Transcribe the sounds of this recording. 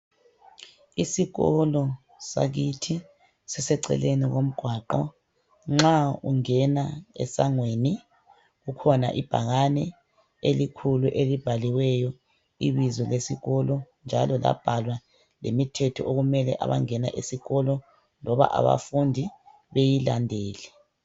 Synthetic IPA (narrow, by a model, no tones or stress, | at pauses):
isiɣɔlɔ | sa̰ɣitʰi | sɛsɛǀɛ̰leniɣom̩ɡ̥ʱwaːǃɔ̰ | ŋ͡ǁauŋɛnaɛ̰saŋweːni | ɣukʰɔna̰ʔib̥ʱa̰ɣanɛ | elikʰuluʔelib̥ʱaliwɛjɔ | iβizɔlesiɣɔlɔnd͡ʒʱa̰lɔla̰b̥ʱalwa | lemitʰɛtʰɔʔoɣumɛlɛ̰ʔa̰βa̰ŋɛna̰ʔesiɣɔlɔ | lɔβa̰ʔa̰βa̰fundʱi | βejilandʱeːlɛ